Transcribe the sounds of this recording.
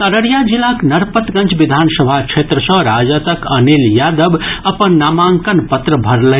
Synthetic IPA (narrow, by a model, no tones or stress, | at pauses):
t̪əɾəɾjad͡ʒilaknəɾpət̪ɡə̃nt͡ʃʰbid̪ʱansəbʱakt͡ʃʰet̪ɾəsə̃ɾad͡ʒət̪əkəniljad̪əbəpənːamaŋkənpət̪ɾəbʱəɾlə